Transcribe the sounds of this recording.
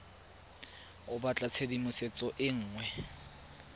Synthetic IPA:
ʊbat͡ɬʼat͡sʰedimʊset͡sʼɔʔɪŋ̩ːŋwɛ

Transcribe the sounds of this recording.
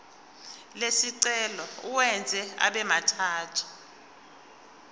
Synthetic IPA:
lesiǀɛlɔuwɛnd͡zʱɛa̰ɓɛmatʰaːtʰu̥

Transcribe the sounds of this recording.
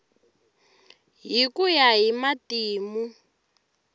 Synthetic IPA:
ɦikujaɦimatiːmu

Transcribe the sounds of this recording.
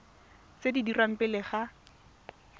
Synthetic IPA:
sedidiram̩pɪlɪχa

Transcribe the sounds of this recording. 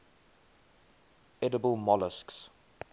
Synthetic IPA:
ɛdəbəlˠmɔləsks

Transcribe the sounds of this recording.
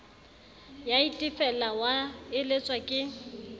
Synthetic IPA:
jaitʼɪfɛlawaɪlet͡sʼwakʼɪ

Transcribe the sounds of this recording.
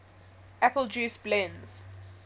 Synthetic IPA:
ʔæpəld͡ʒuːsblɛ̃nz̥

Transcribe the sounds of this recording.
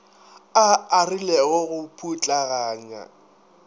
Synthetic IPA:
aːrilɛɣɔɣʊpʰʼut͡ɬʼaɣaːɲa̰

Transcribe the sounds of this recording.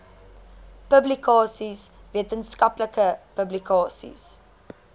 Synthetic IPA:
pəblikɑːsisviətənskɐpləkəpəblikɑːsḭs

